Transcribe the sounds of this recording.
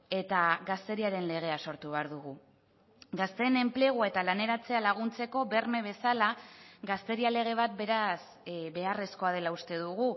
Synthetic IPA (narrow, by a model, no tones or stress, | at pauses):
e̞t̪aɣast̪e̞ɾiaɾe̞nle̞ɣ̞e̞aso̞ɾt̪uβ̞e̞aɾðuɣ̞u | ɡast̪e̞ne̞mpleɣ̞uae̞t̪alane̞ɾat͡se̞alaɣ̞unt͡se̞ko̞βe̞ɾme̞β̞e̞salaɡast̪e̞ɾiale̞ɣ̞e̞β̞at̪̚be̞ɾas | βe̞are̞sko̞að̞e̞laust̪e̞ðuɣu